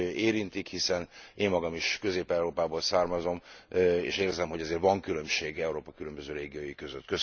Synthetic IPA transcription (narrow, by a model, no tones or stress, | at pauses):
eːɾint̪ikhisɛneːmːɒɡɒmiʃkø̞zeːpɛwɾoːpaːboːlsaːrmɒzo̞mḛːʃeːrzɛmɦoɟɛzeːrt̪ʋɒŋkylø̞mʃeːɡɛuɾoːpɒkylømbøzøːɾeːɡijoːjikøzøt̪ːkøs